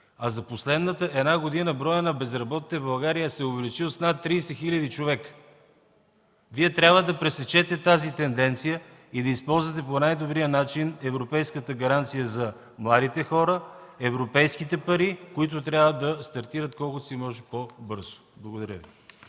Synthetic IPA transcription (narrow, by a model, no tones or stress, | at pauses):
ɐzɐposlɛd̪nət̪əʔɛd̪naɡod̪inəbɾɔjənɐbɛzɾɐbɔt̪i̥t̪əbɐlˠɡaɾijəsɛʊvɛlit͡ʃilˠsnat̪ːɾijsɛxilʲəd̪it͡ʃovɛk | viɛt̪ɾʲabvəd̪ɐpɾɛsɛt͡ʃɛt̪ɛt̪azit̪ɛnd̪ɛnt̪sijə | id̪ɐispɔlˠzvɐt̪ɛponajd̪obɾijənat͡ʃinɛvɾopɛjskət̪əɡɐɾant̪sijəzɐ | mlˠad̪it̪ɛxɔɾəɛvɾopɛjskit̪ɛpɐɾikoit̪̬ʊt̪ɾʲabvəd̪ɐst̪ɐɾt̪iɾət̪kɔlˠkʊt̪simɔʒɛpobɤɾzʊ̥blˠɐɡod̪ɐɾʲəvi